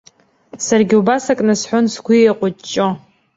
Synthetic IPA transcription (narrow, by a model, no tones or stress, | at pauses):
sarɡʲiubasakʼnɨsħʷʊnsɡʷieqʷʼʊt͡ʃʼo